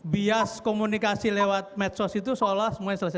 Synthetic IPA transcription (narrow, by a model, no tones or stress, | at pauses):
biaskomunikasilewat̪̚mɛt̪sɔsit̪usolɔhsəmuaɲɛsəlasɛ